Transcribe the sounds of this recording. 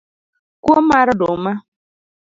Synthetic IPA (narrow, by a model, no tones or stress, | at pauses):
kuɔmaɾʊdʊma